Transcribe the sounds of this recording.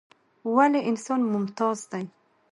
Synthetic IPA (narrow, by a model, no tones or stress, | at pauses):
waleʔɪnsɔnmʊmt̪ɑzd̪aj